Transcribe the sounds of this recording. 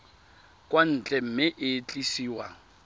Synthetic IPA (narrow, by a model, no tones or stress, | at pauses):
kʼwan̩t͡ɬʼɛm̩mɪʔɪt͡ɬʼisiːwa